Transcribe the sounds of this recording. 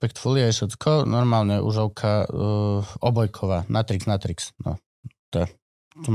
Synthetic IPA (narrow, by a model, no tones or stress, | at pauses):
pɛkt̪fɔliaɛʃɛt͡skʰɔnɔɾmaːlɲɛʔṵʒɔʊkʰa | ɔbɔjkʰɔʋaːnʔat̪ɾikznat̪ɾiksnɔ̰ | t̪ɛ | t̪ɔ